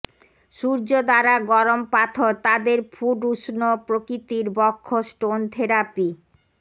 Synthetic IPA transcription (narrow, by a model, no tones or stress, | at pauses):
ʃuɾd͡ʑod̪aɾaɡɔɾompat̪ʰoɾt̪ad̪eɾfʰuɖuʃnopɾokɾit̪iɾbɔkʰːosʈont̪ʰeɾapi